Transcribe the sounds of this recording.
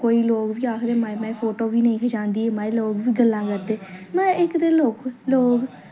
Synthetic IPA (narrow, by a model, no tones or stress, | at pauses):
koːiːloːɡʋiːaːkʰɾeːmamɛ̃ːpʰoːʈoːʋiːnəĩːkʰəd͡ʒãːnd̪iːemɛ̃ːloːɡʋiːɡəlːãːkəɾd̪eːmɛ̃ːɪkd̪eːloːkloːɡ